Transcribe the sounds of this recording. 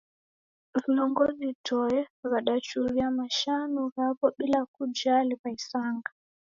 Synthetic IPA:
viɔŋɡɔzitʰɔɛβaɗat͡ʃuɾiamaʃanuhapɔɓilakud͡ʒalipaisaŋɡa

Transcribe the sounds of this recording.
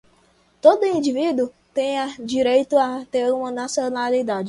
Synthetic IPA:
t̪od̪ʊĩd͡ʒivid̪u | t̪ẽj̃ad͡ʒiɾejt̪ʊat̪eɾũmɐnasionalid̪ad͡ʒɪ

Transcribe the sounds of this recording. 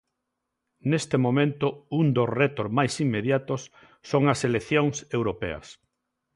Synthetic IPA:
nest̪emomẽnt̪ʊund̪oret̪oɾmajsimːeðjat̪osː | oŋɐseleθjõŋsewɾopḛɐ̰s

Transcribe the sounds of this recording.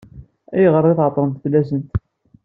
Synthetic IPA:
æjəʁəɾˤːiθʕət̪ˤːɾˤənt̪blæsənt̪

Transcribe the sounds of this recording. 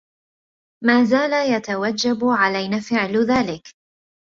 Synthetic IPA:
maːzaːlajat̪awad͡ʒːabʕalajnaːfɪʕlðaːlɪk

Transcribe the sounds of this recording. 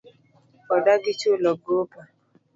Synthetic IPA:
ɔdaɡɪt͡ʃʊlɔɡopa

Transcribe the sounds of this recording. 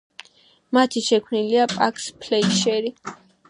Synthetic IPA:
mat̪ʰiʃɛkʰwniliapʼakʰʼspʰlɛiʃɛɾi

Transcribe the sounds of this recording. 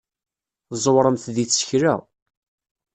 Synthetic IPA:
θzˤəwɾˤəmθðit͡sːə̥çɾæ̰

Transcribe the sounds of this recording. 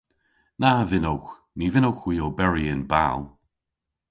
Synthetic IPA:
navɪnowx | nivɪnowxwiːobɛɹiɪnba̰lˠ

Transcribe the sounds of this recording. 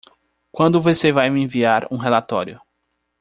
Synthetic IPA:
kwɐ̃nd̪ʊvosevajmɪẽviaɾũɦelat̪ɔ̰ɾjʊ

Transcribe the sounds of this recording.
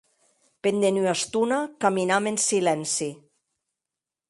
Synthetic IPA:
pend̪enyast̪unakaminamensilɛnsi

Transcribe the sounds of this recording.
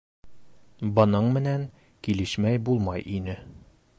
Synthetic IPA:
bɤ̆nɤɴmɘ̆næŋ | kilɘ̆ʃmæjbulˠmɑjʔinɘ

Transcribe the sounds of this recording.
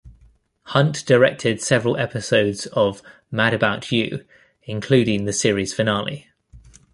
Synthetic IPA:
hʌ̃nʔd̥əɹɛk̚tʰɪd̥sɛvəɹəlʔɛpɪsəʊdz̥əv | maɾəbaʊt͡ʃjʉ̰ː | ɪ̃nkʰl̥ʉːɾɪ̃ŋðəsɪəɹiz̥fənɑːlḭ

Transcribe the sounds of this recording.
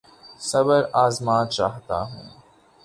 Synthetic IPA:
sɐbəɾaːzmaːt̪t͡ʃa̰ːɦt̪a̰ɦṵ̃ː

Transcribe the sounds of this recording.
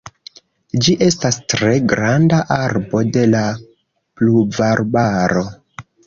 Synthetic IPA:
d͡ʒiʔe̞stastɾe̞ɡɾandaʔaɾbo̞de̞la | pluvaɾbaɾo̞

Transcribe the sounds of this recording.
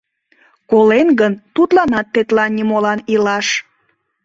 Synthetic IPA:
kolenɡənt̪ut̪lɑnɑt̪ːet̪lɑnʲːimolɑnilɑʃ

